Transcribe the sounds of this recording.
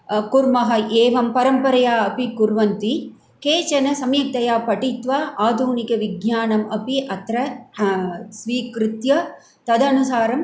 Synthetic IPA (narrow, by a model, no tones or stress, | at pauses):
kuɾmɐɦɐʔeːʋɐmpɐɾɐmpɐɾɐjaːɐpikʊɾʋɐnt̪i | keːt͡ʃɐnɐsɐmjɐk̚t̪ɐjaːpɐʈit̪ʋaːʔaːd̪ʱuːnikɐʋɪɡɲjaːnɐmɐpiʔɐt̪ɾɐ | sʋiːkɾɪt̪jɐ | t̪ɐd̪ɐnusaːɾɐm